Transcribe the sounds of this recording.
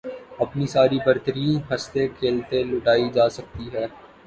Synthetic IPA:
ɐpnisaːɾibɐɾt̪əɾiːnɦɐst̪ekʰeːlt̪elʊʈaːid͡ʒaːsɐk̚t̪iɦɛː

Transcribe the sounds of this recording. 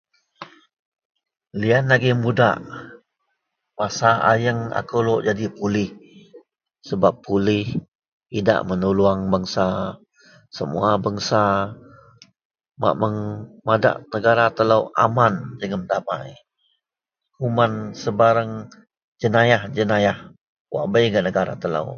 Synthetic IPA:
lianaɡimuda̰ʔ | masaʔa̰jəŋa̰koloʔd͡ʒadipulɪh | səbapːulɪh | ida̰ʔmənuluaŋbaŋsa | səmṵabaŋsa | ma̰ʔməŋmada̰ʔnəɡaɾat̪ələwʔa̰mand͡ʒəŋəmd̪ama̰j | kumansəbaɾaŋ | d͡ʒənajahd͡ʒənajah | wʔa̰ʔbəjɡənəɡaɾa̰t̪ələ̰w

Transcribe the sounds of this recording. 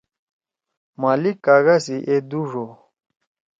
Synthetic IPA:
malikːaɣasiʔed̪uʐo

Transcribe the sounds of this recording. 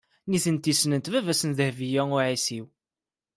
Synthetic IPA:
niθənt̪isnənt̪vævæsənðəhvijæʊʕisiw

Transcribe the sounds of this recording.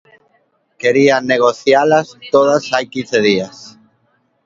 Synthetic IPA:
keɾianeɣ̞oθjalast̪oðasajkinθeðias

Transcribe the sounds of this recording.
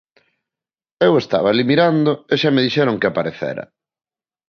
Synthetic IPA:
ewest̪a̰βaːlimiɾand̪oeʃameðiʃɛɾʊŋkɪapaɾeθḛɾɐ̰

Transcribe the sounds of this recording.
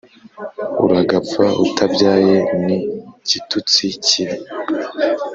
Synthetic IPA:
ṵɾaɡapp͡faṵtʰabɟaːje̞nicitut͡siciɾi

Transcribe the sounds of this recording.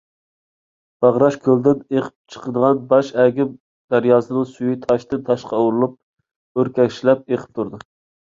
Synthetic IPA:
b̥ɑʁɾɑʃkʲʰøld̪ɪneqʰɪ̥p̚t͡ʃʰə̥qʰəd̪əʁɑnbɑʃɛɡʲɪm | d̪̥æɾjɑːsɨnɨŋsyjyt̪ʰɑʃt̪ɨnt̪ʰɑʃqʰɑuɾlˠup̚ | øɾkʲɛkʲʃlɛp̚eqʰə̥p̚t̪ʰuɾd̪ɨ

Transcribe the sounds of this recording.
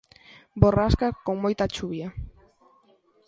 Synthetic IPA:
boraskakomojt̪at͡ʃuβia

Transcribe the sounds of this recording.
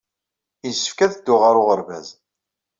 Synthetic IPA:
jəsə̥fkæðd̪ːʊʁaɾʊʁəɾvæ̰z

